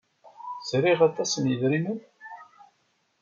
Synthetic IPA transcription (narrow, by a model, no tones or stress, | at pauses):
z̥ɾiʁat̪ˤɑsənjəðɾinən